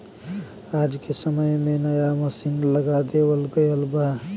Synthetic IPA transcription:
ad͡ʒkesəməjmenəjaməsinləɡad̪ebəlɡəjəlba

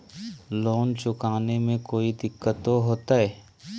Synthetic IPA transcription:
loːnt͡ʃʊkaːnemẽkoːid̪ɪkːət̪oɦoːt̪aɦɛː

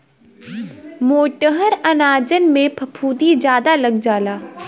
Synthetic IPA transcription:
moːʈəɦəɾɐnaːd͡ʒənmẽpʰɐpʰuːd̪id͡ʒjaːd̪alɐɡd͡ʒaːlaː

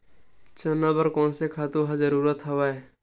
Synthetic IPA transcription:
t͡ʃonːabəɾkɔ̃ːnsekʰaːt̪uɦad͡ʒəɾuːɾət̪ɦəʋae

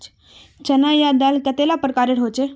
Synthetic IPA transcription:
t͡ʃɐnajad̪alkət̪elapəɾkaːɾeʈɦot͡ʃe

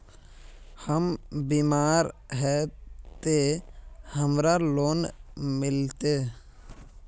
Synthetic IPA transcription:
həmbiːmaːɾɦɛt̪e | həmɾaloːnmɪlt̪eː

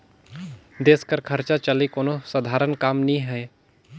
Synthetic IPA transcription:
d̪eːskəɾkʰɐɾt͡ʃat͡ʃəlikoːnosəd̪ʱaːɾənkaːmnĩɦɛ̃

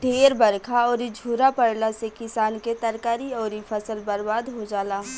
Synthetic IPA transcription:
ɖʱeːɾbɐɾkʰaɔːɾid͡ʒʱuːɾapəɽlasekɪsaːnket̪ɐɾkaːɾiɔːɾipʰɐsəlbɐɾbaːd̪ɦod͡ʒaːlaː

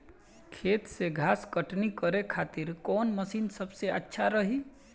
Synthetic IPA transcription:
kʰeːt̪seɡʱaːskəʈnikəɾekʰaːt̪ɪɾkɔːnməsiːnsəbseətːʃʰaɾəɦi

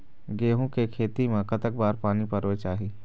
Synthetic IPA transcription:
ɡeːɦõkekʰeːt̪imẽkət̪ək̚baːɾpaːnipəɾʋet͡ʃaːɦiː

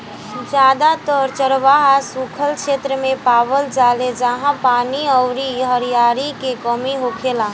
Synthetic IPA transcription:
d͡ʒjaːd̪at̪əɾt͡ʃəɾʋaɦasukʰəlkʃeːt̪ɾəmẽpaːʋəld͡ʒaːled͡ʒəɦãpaːniɔʊɾiɦəɾijaːɾikekɔmiɦoːkʰeːlã

